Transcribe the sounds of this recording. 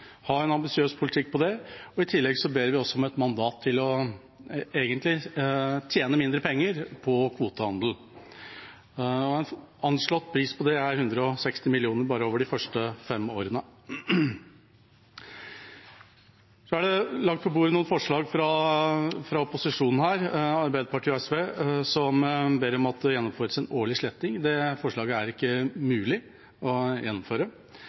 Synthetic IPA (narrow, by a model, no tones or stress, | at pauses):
hɑɾɛnɑmbɪsɪøːspʰʊlɪt̪ʰɪkːpʰɔd̪ɛɔɪt̪ʰɪlːɛɡsɔbeːɾʋɪɔsːɔmɛt̪mɑnd̪ɑːt̪ʰːɪlɔ | eːɡənt̪lɪt̪ʰjeːnəmɪnd̪ɾəpʰɛŋːəɾpʰɔkʰʋuːt̪əhɑnd̪l̩ | ɔæn | ɑnʂɭɔt̪ːpʰɾiːspʰɔd̪ɛæɾhʉnd̪ɾəɔsɛkst̪ɪmɪlɪuːnəɾbɑːɾəoːʋəɖɪfœʂʈəfɛmːo̰ːɾənə | sɔæɖɛlɑɡ̚t̪pʰɔbuːɾənuːnfɔʂɭɑːɡfɾɑ | fɾɑɔpʊsɪʂuːnn̩hæːɾɑɾbæɪd̪əɾpɑʈʰiːɔɛsʋeːsɔmbeːɾəɔmɑt̪ːjɛnːɔmføːɾəsɛnoːɭɪʂɭɛt̪ːɪŋd̪ɛfɔʂɭɑːɡəæɾɪkːəmʉːlɪ | ɔjɛnːɔmføːɾə